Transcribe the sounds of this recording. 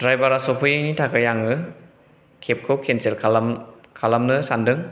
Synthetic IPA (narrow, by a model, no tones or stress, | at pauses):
d̥ɾajbaɾasɔpʰɯjejnitʰakʰajaŋɯ | kʰep̚kʰɯwkʰenselkʰalmkʰalamnɯsandɯŋ